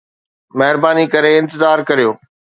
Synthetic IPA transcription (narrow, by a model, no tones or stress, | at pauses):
mɛɦɪɾbaːnikɐɾeɪ̃nt̪ɪzaːɾkɐɾijoː